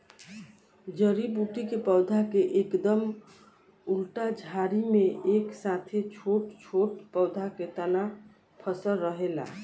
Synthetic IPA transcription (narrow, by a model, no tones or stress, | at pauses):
d͡ʒəɾibuʈikepəʊd̪ʱakeʔekd̪əm | ulʈad͡ʒʱaɾimeeksat̪ʰet͡ʃʰoʈt͡ʃʰoʈpəʊd̪ʱaket̪əna | pʰəsəlɾəɦela̰